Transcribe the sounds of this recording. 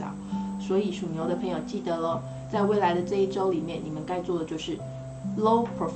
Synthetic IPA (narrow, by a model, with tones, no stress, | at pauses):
ɑ̰˨˦swɔ˧˥i˨˩ʂu˨˩njo˧˥ʊd̪ə˧pʰə˧˥ŋjo˨˩ʊt͡ɕi˥˩d̪ə˧˥lə˧ | t͡sa˥˧ɪwe˥˩ɪla˧˥ɪd̪ə˧ʈ͡ʂɤ˥˧i˥˩ʈ͡ʂo˥ʊli˨˩mjɛ˥˩ni˨˩mə˧˦nka˥˧ɪt͡swɔ˥˩d̪ə˩jo˥˧ʊʂɻ̩˥˩ | lo˥ʊpʰɹo˨˩f